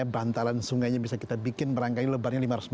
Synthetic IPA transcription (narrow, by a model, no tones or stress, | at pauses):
abant̪alansuŋɡajɲabisakit̪abikɪnməɾaŋkaɲləbarɲalimaɾasm